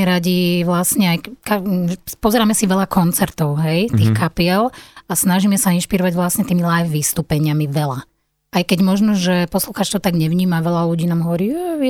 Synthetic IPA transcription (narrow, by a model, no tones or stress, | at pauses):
ɛɾaɟiʋlasɲɛajkapɔzɛɾaːmɛsiʋɛʎakɔnt͡sɛɾt̪ɔʊɦɛjt̪iːxkapiɛlasnaʒiːmɛsainʃpiɾɔʋaɟʋlasɲɛt̪iːmilajfʋist̪uːpɛɲɪamiʋɛla | ajkɛɟmɔʒnɔʒɛpɔsluxaːt͡ʃt͡ʃ̪ɔʊt̪aɡɲɛʋɲiːmaʋɛlaluɟiːnaːmɦɔʋɔɾiːjɛ